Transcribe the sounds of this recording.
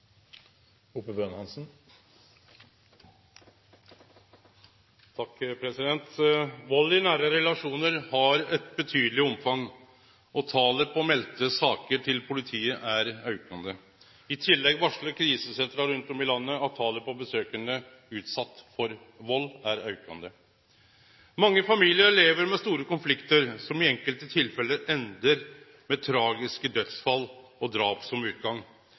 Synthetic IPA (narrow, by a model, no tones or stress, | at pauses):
uːpəbøːnhɑnsn | t̪ʰɑkːpʰɾɛsɪd̪ɛnt̪ʋɔlːɪnæːɾəɾɛlɑʂuːnəɾhɑɾɛt̪bət̪ʰyːd̪əlɪɔmfɑŋː | ɔt̪ʰɑːləpʰɔmɛlt̪əsɑːkəʈʰɪlpʰʊlɪt̪ʰiːəʔæɾɑʉkɑnd̪ə | ɪt̪ʰɪlːɛɡʋɑʂɭəkʰɾiːsəsɛnt̪ɾɑɾʉnt̪ɔmɪlɑnːəɑt̪ʰɑːləpʰɔbəsøːkəɳə | ʉːt̪sɑt̪ːfɔɾ | ʋɔlːæɾœʉkɑnd̪ə | mɑŋːəfɑmiːlɪəɾɭeːʋəɾmɛst̪uːɾəkʊnflɪkt̪əɾsɔmɪɛŋkəlt̪ət̪ʰɪlfɛlːəʔɛnd̪əɾ | mɛt̪ʰɾɑːɡɪskəd̪œt̪sfɑlːɔd̪ɾɑːpsɔmʉːt̪̚ɡɑŋː